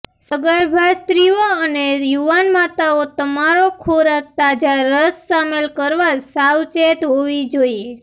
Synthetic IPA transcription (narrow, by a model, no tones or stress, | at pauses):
səɡəɾbʱast̪ɾioənejuʋanmat̪aot̪əmaɾokʰoɾək̚t̪ad͡ʒaɾəsːamelkəɾʋasawt͡ʃet̪ɦoʋid͡ʒoie